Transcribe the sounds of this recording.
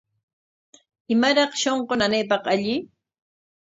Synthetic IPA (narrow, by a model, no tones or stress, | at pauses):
ɪmaɾɑχʃoɴqonanejp̬ɑqaʎɪ